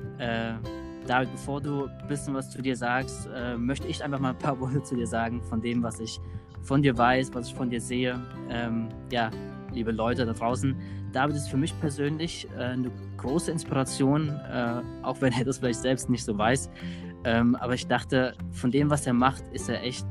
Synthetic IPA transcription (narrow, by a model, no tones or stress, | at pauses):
ʔɛː | d̥aːvɪt̚b̥əfoːɐduːb̥ɪsjənvast͡sudiːɐzaːkstʔɛːmœçtəɪçʔaɪnfaχmaːln̩pʰaːɐvɔɐtət͡suːdiːɐzaːɡŋ̩fɔndeːmvasɪç | fɔndiːɐvaɪsv̥asɪçfɔndiːɐzeːə | ʔɛːm | jaː | liːbəlɔʏtədadʁaʊsn̩d̥aːvɪtɛstfyːɐmɪçpʰɛɐzøːnlɪç | ʔɛːnə | ɡ̥ʁoːsəɪnspiʁat͡sjoːnʔɛːʔa̰ʊxv̥ɛneːɐdasfɪlaɪçtz̥ɛlpstnɪçtz̥oːvaɪs | ʔɛːmʔaːbɐɪçd̥aχtəfɔndeːmvaseːɐmaχtɪsteːɐʔɛçt̚